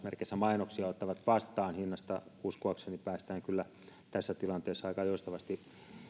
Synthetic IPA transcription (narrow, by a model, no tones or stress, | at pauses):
merkesːæmɑinoksiɑot̪ːɑʋɑt̪ʋɑst̪ˑɑːnhinːɑst̪ɑuskuɑksenːipæːst̪æːŋkylːæ | t̪æsːæt̪ilɑnt̪eːsːɑikɑjost̪ɑʋɑst̪i